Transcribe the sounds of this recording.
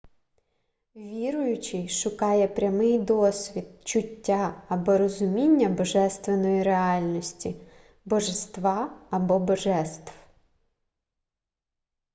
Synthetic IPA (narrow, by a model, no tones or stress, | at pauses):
ʋʲiɾʊjʊt͡ʃɪʃʊkɑjɛpɾʲɐmɪjd̪ɔsʲʋʲid̪̚t͡ʃʊtʲːaɐbɔɾɔzʊmʲinʲːɐbɔʒɛst̪ʋenɔjiɾeɑlʲnɔsʲtʲi | bɔʒest̪ʋɑɐbɔbɔʒɛst̪w